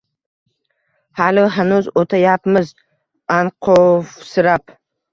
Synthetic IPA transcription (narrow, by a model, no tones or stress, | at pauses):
halɪɦanʊzot̪ʰajapmɪz | anqʰofsɪɾap